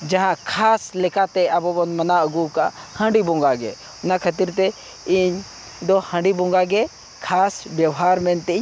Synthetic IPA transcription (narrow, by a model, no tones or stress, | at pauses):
d͡ʒɐɦãkʰaːslɛkat̪ɛɐbɔbɔnmɐnaəɡukahə̃ɳɖibɔ̃ŋɡaɡɛ̰ | ʊnakʰət̪̬iɾt̪ɛ | iɲ | d̪ɔhə̃ɳɖibɔ̃ŋɡaɡɛ | kʰasbjɐwɦaɾmɛnt̪ɛ